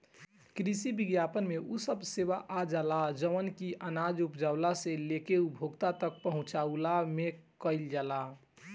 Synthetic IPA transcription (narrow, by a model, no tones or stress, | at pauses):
kɾisibiɡjapənmeusəbseʋaʔad͡ʒalad͡ʒəʋənkiʔənad͡ʒupd͡ʒaʊlaselekeubʱoɡt̪at̪ək̚pəɦũt͡ʃaulamekəɪld͡ʒala